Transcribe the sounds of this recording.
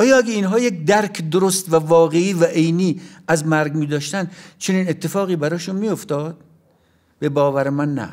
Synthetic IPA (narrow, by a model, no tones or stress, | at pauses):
ʔɒːjɒːæɡʲeinɦɒːjekʲd̪æɾkʰd̪oɾost̪vævɒːɣe̞iːvæʔejniːæzmæɾɡmiːd̪ɒːʃt̪ænd̪t͡ʃʰe̞niːne̞t̪ʰːe̞fɒːɣiːbæɾɒːʃunmiːjo̞ft̪ɒːd̪̥ | b̥e̞bɒːvæɾemænːæ̰